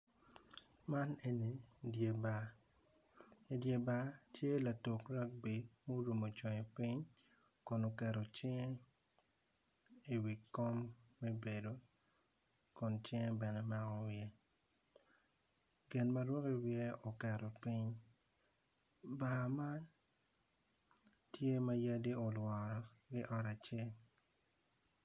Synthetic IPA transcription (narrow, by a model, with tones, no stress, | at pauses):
ma˦ne˨ni˨dje˨ba˨ | i˨dje˨ba˦tje˦la˨to˨kɾa˦k̚bi˨mo˦ɾu˨mo˨t͡ʃɔ˨ɲe˨pi˦ɲ | kʊ˨no˨kɛ˨ɾo˨t͡ʃɛ˦ŋ˦ | i˦˨wi˨kːɔ˦mːe˦be˨do˨˦ | kʊ˨nt͡ʃɛ˦ŋ˦bɛ˨nɛ˦ma˦ŋɔ˦wje˦ | ɡɪ˨nma˨ɾwɔ˦ki˦wjɛ˦o˨kɛ˨ɾo˨pi˦ɲ | ba˨ma˦n | tje˦ma˦ja˦di˦o˨lwɔ˨ɾɔ˨ɡɪ˦ʔɔ˨ɾa˨t͡ʃe˦l